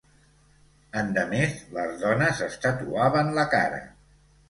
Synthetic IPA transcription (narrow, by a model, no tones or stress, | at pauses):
ənd̪əmezləzðɔnəzəst̪ət̪uaβənləka̰ɾə̰